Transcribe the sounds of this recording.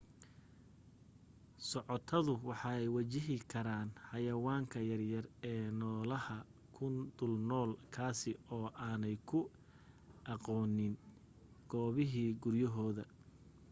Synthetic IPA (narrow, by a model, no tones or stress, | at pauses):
sɔʕɔt̪ʰɐðʊwɑħɑːɛjwɐt͡ʃɪɦɪkʰɐɾaːnħɑjɐwaːŋkʰɐjɐrjɐrɛːnɔːlɐhɐkʰʊnd̪ʊlnɔːlkʰaːsɪɔːʔaːnɛjkʰʊ | ʔɑqɔːnɪn | ɡ̥ɔːβɪɦiːɡʊrjɐɦɔːðɐ